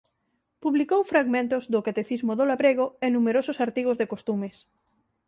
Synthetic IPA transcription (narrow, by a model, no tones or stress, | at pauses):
puβlikowfɾaɣmẽnt̪ʊzðʊkat̪eθizmoðolaβɾeɣ̞ʊenumeɾosʊsaɾt̪iɣ̞ozðekost̪umes